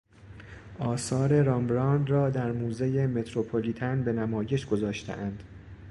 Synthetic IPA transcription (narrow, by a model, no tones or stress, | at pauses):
ʔɒːsɒːɾe̞ɾɒmbɾɒːnd̪rɒːd̪æɾmuːzejeme̞t̪ʰɾopʰoliːt̪ʰænbe̞næmɒːje̞ʃɡo̞zɒːʃt̪ʰḛʔænd̪̥